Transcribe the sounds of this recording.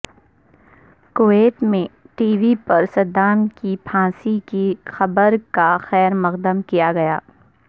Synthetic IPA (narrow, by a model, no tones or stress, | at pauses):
koeːʈ̪mẽʈiːʋipɐɾsɐd̪aːmkipʰãːsikixɐbəɾkaxɛːɾmɐqd̪əmkijaɡɐjaː